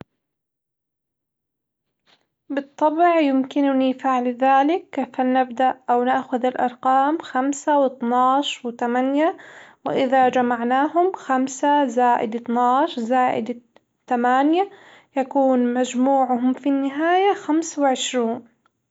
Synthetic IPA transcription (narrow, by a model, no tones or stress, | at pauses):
bɨt̪ˤːɑbʕjɪmkɪnʊnifaʕlðaːlɪkːfanabd̪aʔʔawnaʔxʊðɪlʔɑ̰ɾˤqɑːmxamsawɪt̪nɑːʃwɪt̪amanjawɪ̰ʔɪðad͡ʒamaʕnaːɦʊmxamsazaːʔɪ̰d̪ɪt̪nɑːʃzaːʔɪ̰d̪ | t̪amaːnja | jakuːnmad͡ʒmuːʕʊɦʊmfinːɪɦaːjaxamswɪʕɪʃɾuːn